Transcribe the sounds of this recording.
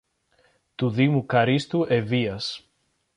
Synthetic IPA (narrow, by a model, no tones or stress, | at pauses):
t̪uðimukɐɾist̪uʔeviɐs